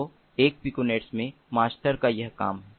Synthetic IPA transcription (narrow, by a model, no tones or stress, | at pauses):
o | eːk̚pɪkuneːʈsmẽ | maːsʈəɾkajɐɦka̰ːmɦ